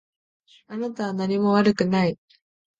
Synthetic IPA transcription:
anat̪aβanaɲ̟imo̞βaɾɯ̟kɯ̟nai

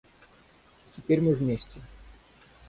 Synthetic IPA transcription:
tʲɪpʲeɾʲmɨvmʲesʲtʲɪ

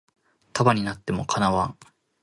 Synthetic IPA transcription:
t̪abaɲ̟inat̪ːe̞mo̞kʰanaβã

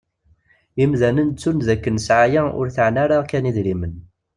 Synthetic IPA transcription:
imðænənt͡sːunðækːənsʕajæʔʊ̰ɾθəʕnaɾaʁkæniðɾimən

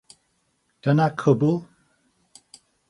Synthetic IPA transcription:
d̥ənakʰʊbʊlˠ

